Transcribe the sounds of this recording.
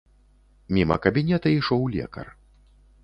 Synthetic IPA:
mʲimɐ̰kɐbʲinʲɛt̪ɐiʂɔwlʲɛ̰kɐ̰r

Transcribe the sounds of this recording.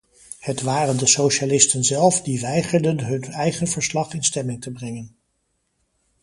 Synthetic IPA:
hətʋaːrəndəsowʃalɪstənzɛlˠfdiʋɛjχəɹdənɦɵnɛjχənvəɹslɑχɪnstɛmɪŋtəbrɛŋən

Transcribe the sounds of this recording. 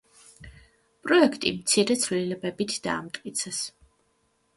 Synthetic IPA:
pʼɾɔɛkʰt̪ʼḭmt̪sʰiɾɛt̪sʰvlilɛbɛbit̪ʰd̪̥a̰ːmt̪ʼkʼit̪sʰɛs

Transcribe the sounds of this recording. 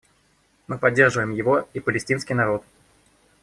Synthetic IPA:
mɨpɐdʲːe̞rʐɨvəjɪmjɪvo̞ipəlʲɪsʲtʲinskʲɪjnɐɾo̞t̪

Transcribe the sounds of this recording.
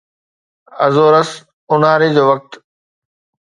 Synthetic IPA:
ɐzoːɾəs | ʊnaːɾed͡ʑoːʋɐk̚t̪

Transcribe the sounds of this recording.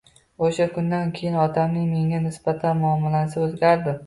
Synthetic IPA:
oʃakʰʊnd̪ankʲʰe̞jɪnɒt̪ʰamnɪŋme̞ŋanɪsb̥at̪ʰanmʊamːɪlasɪozɡʲaɾd̪ɪ

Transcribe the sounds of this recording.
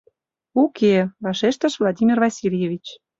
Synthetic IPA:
ukevɑʃeʃt̪ə̆ʃvlˠɑd̪ʲimʲirvɑsʲilʲjevʲit͡ɕ

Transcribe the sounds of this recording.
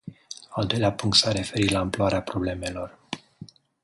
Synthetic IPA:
ald̪o̞jleapuŋk̚t̪sare̞fe̞ɾit̪laɨmploaɾeapɾo̞ble̞me̞lo̞r

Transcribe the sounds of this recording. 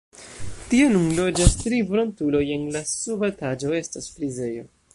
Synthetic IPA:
tie̞nunlo̞d͡ʒastɾivɾo̞ntulo̞je̞nlasubatad͡ʒo̞e̞stasfɾize̞jo̞̰

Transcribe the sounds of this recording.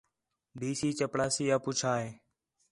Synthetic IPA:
ɖiːsiːt͡ʃəpɽaːsiːaːpuːt͡ʃʰaːɦeː

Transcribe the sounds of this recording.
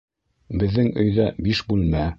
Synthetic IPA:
bɘ̆ðːɘŋɵ̆jðæbiʃbʉlmæ

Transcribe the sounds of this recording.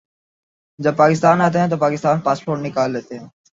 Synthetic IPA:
d͡ʒəb̚paːkɪst̪aːnət̪ẽt̪̬oːpaːkɪst̪aːnpaːspoːʈnɪkaːlːeːt̪e

